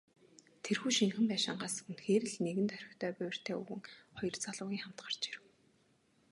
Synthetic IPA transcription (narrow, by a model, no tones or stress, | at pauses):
t̪ʰerxuːʃiŋxɘ̆mpæːʃɪ̆ɴɢaːsə̥̆xɘ̆nxeːɾɘ̆ɮneɣɘ̆nt̪ʰœɾʲɪ̆xt̪ʰœːpʊj̆ʲr̥t̪ʰeːṵɣɘ̆ŋχɔjɞ̆rt͡saɮʊːɣʲiːŋχamt̪ɢə̥̆r̥t͡ɕi̥ɾɘ̆w